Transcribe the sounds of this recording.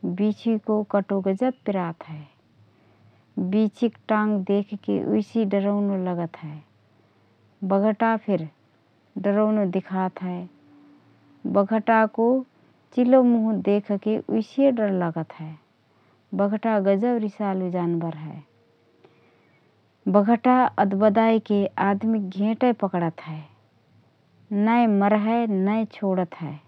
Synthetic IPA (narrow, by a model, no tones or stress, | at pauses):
bit͡ʃʰikokəʈoɡəd͡ʒəbpɪɾat̪ɦɛː | bit͡ʃʰikʈãŋɡd̪ekʰkḛʔṵɪsiɖəɾəʊnoləɡət̪ɦɛ | bəɡʱəʈapʰɪɾ | ɖəɾəʊnod̪ɪkʰat̪ɦɛe | bəɡʱəʈako | t͡ʃilomuɦũd̪eːkʰkeʔʊɪsijeɖəɾləɡət̪ɦɛː | bəɡʱʈaɡəd͡ʒəbɾɪsaːled͡ʒaːnbəɾɦɛː | bəɡʱəʈaəd̪bəd̪aːikeʔaːd̪mik̚ɡʱẽːʈəpəkɽət̪ɦɛː | nəeməɾɦɛnəet͡ʃʰoːɽət̪ɦɛː